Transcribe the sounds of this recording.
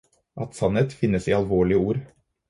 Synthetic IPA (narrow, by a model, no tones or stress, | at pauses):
ʔɑt̪sɑnət̪fɪnːəsiːɑlʋoːɭɪəuːɾ